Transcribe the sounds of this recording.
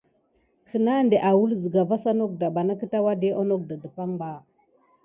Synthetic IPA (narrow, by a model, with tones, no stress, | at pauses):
kə˨na˦nde˨ʔa˨wu˦lzə˨ɡa˨va˦sa˦no˦k̚da˨ba˨na˦kə˦ta˦wa˦de˦ʔo˦no˦k̚da˨də˨pa˦ŋba˨